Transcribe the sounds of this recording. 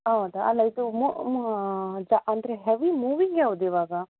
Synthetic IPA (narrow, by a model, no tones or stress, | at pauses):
ɦɐwd̪uɐ̰lːɐid̪umu | d͡ʒaʔɐnd̪ɐɾeɦeʋimuːʋiŋɡeɦɐʋud̪iʋaːɡɐ